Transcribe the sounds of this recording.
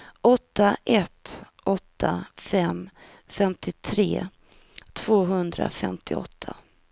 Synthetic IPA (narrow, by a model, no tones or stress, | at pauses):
ʔɔt̪ʰːaʔɛt̪ | ʔɔt̪ʰːafɛm | fɛmt̪ʰɪt̪ʰɾḛː | t̪ʰv̥oːɦɵnd̪ɾa̰fɛmt̪ʰɪɔ̰t̪ʰːa